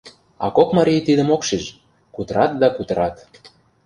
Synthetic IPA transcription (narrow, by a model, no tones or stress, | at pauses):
ɑ̰kokmɑɾijt̪id̪ə̆mokʃiʃ | kut̪ə̆ɾɑt̪̚d̪ɑkut̪ɤɾɑt̪